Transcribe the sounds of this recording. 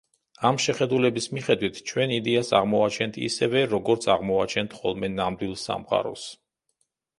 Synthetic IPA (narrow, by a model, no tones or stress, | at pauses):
amʃɛχɛd̪ulɛbismiχɛd̪wit̪ʰt͡ʃʰwɛnid̪ɛasa̰ʁmɔat͡ʃʰɛnt̪ʰḭsɛvɛɾɔɡɔɾt̪sʰaʁmɔat͡ʃʰɛnt̪ʰχɔlˠmɛnamd̪wilˠsa̰mqʼa̰ɾɔ̰s